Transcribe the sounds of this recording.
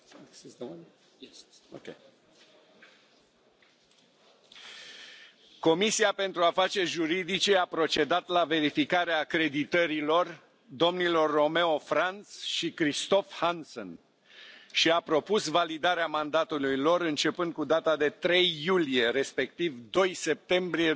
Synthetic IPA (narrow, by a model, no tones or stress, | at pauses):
n | okʲe | ko̞misiape̞nt̪ɾuafat͡ʃe̞rʲʒuɾid̪it͡ʃe̞apɾo̞t͡ʃe̞d̪at̪lave̞ɾifikaɾeaːkɾe̞d̪it̪əɾilo̞r | d̪o̞mnilo̞rːo̞me̞o̞fɾant̪sʃikɾist̪o̞fhanso̰n | ʃiapɾo̞pusvalid̪aɾeamand̪at̪ulujlo̞ɾɨnt͡ʃe̞pɨnd̪̚kud̪at̪ad̪e̞t̪ɾe̞jːulije̞ɾe̞spe̞k̚t̪ivd̪o̞jse̞p̚t̪e̞mbɾie